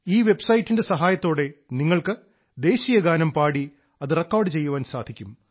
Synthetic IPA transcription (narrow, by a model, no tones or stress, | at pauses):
iːʋe̞bsɐjitːinde̞sɐɦaːjɐt̪ːo̞ːɽe̞niŋːɐɭkɨ | d̪e̞ːɕijɐɡaːnɐmpaːɽi | ɐðɨrekːoːrɖɨt͡ɕe̞jːuʋaːnsaːd̪ʱikʲːum